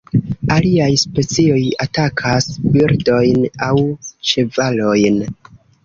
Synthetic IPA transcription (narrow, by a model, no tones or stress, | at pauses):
aliajspe̞t͡sio̞jatakʰasbiɾdo̞jnawt͡ʃe̞valo̞jn